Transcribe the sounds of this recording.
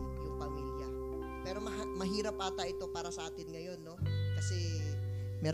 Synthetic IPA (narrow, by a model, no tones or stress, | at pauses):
jʊŋpɐmiljɐ | pɛːɾo̞mɐɦmɐɦiːɾɐpʔaːt̪ɐʔɪt̪o̞paːɾɐsɐʔaːt̪ɪnŋɐjo̞nːo̞kɐsɛ | mɛ